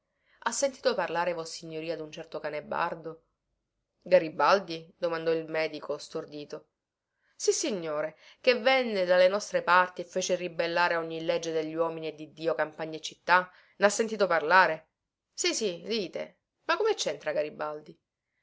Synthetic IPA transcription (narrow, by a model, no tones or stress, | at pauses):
asːent̪iːt̪oparlaːɾevɔsiɲːoɾiːad̪unt͡ʃɛrt̪okanebːa̰rd̪o | ɡaɾibald̪id̪omand̪ɔilmɛːd̪ikost̪ord̪iːt̪o | sisiɲːoːɾe | kevɛnːed̪alːenɔst̪ɾepart̪iefːeːt͡ʃeribelːaːɾeɔɲːilɛd͡ʒːed̪eʎːwɔːminied̪id̪ːiːokampaɲːaet͡ʃːit̪ːa | nasːent̪iːt̪oparlaːɾe | sisid̪iːt̪ḛ | makːomet͡ʃːɛnt̪ɾaɡaɾibald̪i